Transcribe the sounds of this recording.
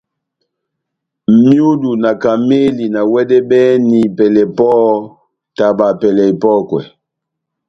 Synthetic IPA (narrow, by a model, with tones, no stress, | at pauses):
m̩˨mju˦du˨na˨ka˨me˦li˨na˨wɛ˦dɛ˦bɛ˦ni˨pɛ˨lɛ˨pɔ˦ | ta˨ba˨pɛ˨lɛ˨i˨pɔ˦kwɛ̰˨